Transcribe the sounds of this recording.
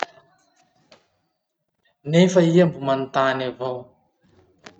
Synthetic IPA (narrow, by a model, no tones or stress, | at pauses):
nefəiambumant̪anavow